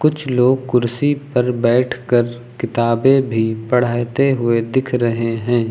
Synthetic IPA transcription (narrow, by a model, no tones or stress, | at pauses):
kʊt͡ʃʰloːɡ̚kʊɾsipɐɾbɛːʈʰkəɾ | kɪt̪aːbẽbʱipɐɽ̤aːt̪eɦʊed̪ɪkʰɾɐɦeɦɛ̃ː